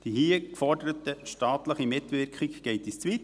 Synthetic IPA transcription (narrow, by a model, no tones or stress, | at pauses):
d̥ihiːəkfɔɾdəɾətəʃtɑːtləχimɪtʋɪɾkχiɡɡ̥ɛɪtist͡sʋit